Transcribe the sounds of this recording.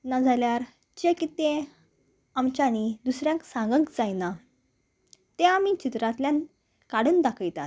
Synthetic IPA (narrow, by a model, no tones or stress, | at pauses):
nad͡zʱaljaɾ | t͡ɕekit̪ẽ | amt͡ɕaɽ̃id̪usɾjãksãŋɡəkd͡zajna | t̪ẽamit͡ɕit̪ɾat̪ljãn | kaɽənd̪akʰəjt̪at̪̚